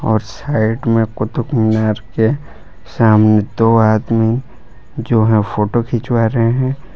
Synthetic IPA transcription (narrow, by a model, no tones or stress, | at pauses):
ɔːɾsaːɪʈmẽkʊt̪ʊkmɪnaːɾke | saːmned̪oːaːd̪mi | d͡ʒoːɦɛ̃fʰoːʈokʰɪt͡ʃwaːɾeɦɛ̃ː